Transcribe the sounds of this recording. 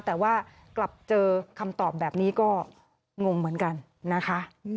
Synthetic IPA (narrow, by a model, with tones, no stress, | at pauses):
t̪ɛː˨˩waː˥˩ | kla˨˩p̚t͡ɕɤː˧kʰa˧mt̪ɔː˨˩p̚bɛː˨˩p̚niː˦˥kɔː˥˩ | ŋo˧ŋmɯ˨˩˦ənka˧nː | a˦˥kʰa˦˥ʔ